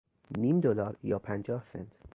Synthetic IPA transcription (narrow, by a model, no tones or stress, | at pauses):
niːmd̪olɒːɾjɒːpʰænd͡ʒɒːhsḛnt̪ʰ